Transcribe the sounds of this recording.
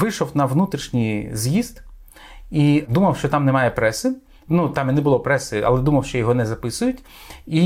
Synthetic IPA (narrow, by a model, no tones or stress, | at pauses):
ʋɪʃɔwnɐʋnut̪ɾʲiʃnʲijzjizt̪ | id̪umɐwʃt͡ʃɔt̪ɑmnɛmɑjɛpɾɛsɪ | nut̪ɑminɛbʊlˠɔpɾɛsɪɐ̰lˠɛd̪umɐwʃt͡ʃɔjɔɦɔnɛzɐpɪsʊjʊtʲ | i